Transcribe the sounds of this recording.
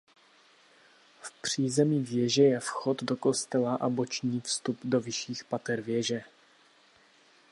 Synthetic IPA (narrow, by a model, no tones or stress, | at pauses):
fpr̝̥iːzɛmiːvjɛʒɛjɛfxo̞d̪do̞ko̞st̪ɛlaʔabo̞t͡ʃɲiːfst̪updo̞vɪʃiːxpat̪ɛɾvjɛʒɛ